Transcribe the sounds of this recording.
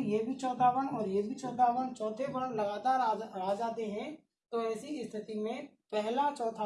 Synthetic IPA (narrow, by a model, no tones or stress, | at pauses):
jeːbʱit͡ʃɔːd̪aːʋənɔːɾjebʱit͡ʃɔːd̪aːʋənt͡ʃɔːt̪ʰebəɽəlɐɡaːt̪aːɾaaːd͡ʒaːt̪eɦɛ̃ | t̪oɛːsiɪst̪ʰɪt̪imẽ | pɛɦlat͡ʃɔːt̪ʰa